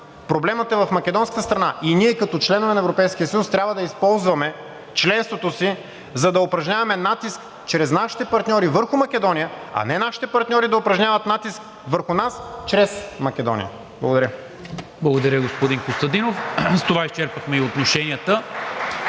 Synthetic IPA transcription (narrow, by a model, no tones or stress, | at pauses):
pɾoblɛmɐt̪ɛvɐfmɐkʲɛd̪ɔnskə̥t̪əst̪ɾɐnaʔiniɛkɐt̪ɔt͡ʃlɛnovɛnɐɛvɾopɛjsk̟iəsəjust̪ɾʲabvɐd̪ɐispɔlˠzvɐmɛ | t͡ʃlɛnst̪vot̪osi | zɐd̪ɐopɾɐʒɲʲavɐmɛnat̪isk | t͡ʃɾɛznaʃi̥t̪ɛpɐɾt̪nʲɔɾivəɾxʊmɐk̟ʲɛd̪ɔnijəɐ̰nɛnaʃi̥t̪ɛpɐɾt̪nʲɔɾid̪ɐopɾɐʒɲʲavɐt̪nat̪isk | vəɾxʊnast͡ʃɾɛsmɐkʲɛd̪ɔ̰nʲḭjə̰ | blˠɐɡod̪ɐɾjə | blˠɐɡod̪ɐɾʲjəɡospod̪ĩnkost̪ɐd̪inofst̪ovaist͡ʃɛɾpəxmɛiot̪noʃɛnʲiət̪ə